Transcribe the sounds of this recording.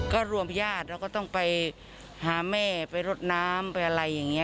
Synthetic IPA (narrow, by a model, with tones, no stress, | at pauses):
kɔː˥˩ɾu˧əmpʰjaː˥˩t̪̚ɾaː˧˩kɔː˥˩t̪ɔ˥˩ŋpa˨j | haː˨˩˦mɛː˧˥˩pa˨˧jɾo˧˩t̪̚naː˦˥mpa˧jʔa˧ɾa˧jːa˨˩ŋːi˦˥˧